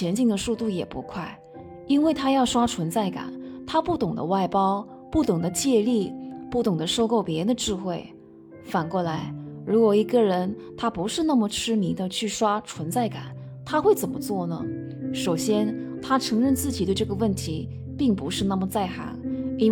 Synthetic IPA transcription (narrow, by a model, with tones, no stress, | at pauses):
jɛ˧˥nt͡ɕi˥˩ŋd̪ə˩su˥˧t̪u˥˩jɛ˨˩pṵ˧˥kʰwa˥˩ɪ | i˥nwe˥˩ɪt̪ʰa˥jɑ˥˩ʊʂwa˥ʈ͡ʂʰwə˧˥nt͡sa˥˩ɪka̰˨˩˦nt̪ʰa˥pu˥˩t̪ʊ˨˩ŋd̪ə̰˦wa˥˩ɪpɑ˥ʊ | pu˥˩t̪ʊ˨˩ŋd̪ə˦t͡ɕjɛ˥˧li˥˩pu˥˩t̪ʊ˨˩ŋd̪ə˦ʂo˥ʊko˥˩ʊpjɛ˧˥d̪ə˧ʈ͡ʂɻ̩˥˧xwe˥˩ɪ | fa˨˩nkwɔ˥˩la˧˥ɪɻu˧˥kwɔ˨˩i˧˥ɡə˧ɻə˧˥nt̪ʰa˥pu˧˥ʂɻ̩˥˧na˥˩mə˩ʈ͡ʂʰɻ̩˥mi˧˥ŋd̪ə˧t͡ɕʰy˥˩ʂwa˥ʈ͡ʂʰwə˧˥nt͡sa˥˩ɪka˨˩˦n | t̪ʰa˥xwe˥˩ɪt͡sə˨˩nmə˦t͡swɔ˥˩nə̰˩ | ʂo˨˩ʊɕjɛ˥nt̪ʰa˥ʈ͡ʂʰɤ˧˥ŋɻə˥˧nt͡sɹ̩˥˩t͡ɕi˨˩t̪we˥˧ɪʈ͡ʂɤ˥˩ɡə˧wə˥˩nt̪ʰi˧˥ | pi˥˩ŋpu˧˥ʂɻ̩˥˧na˥˩mə˩t͡sa˥˩ɪxa̰˧˥ni˥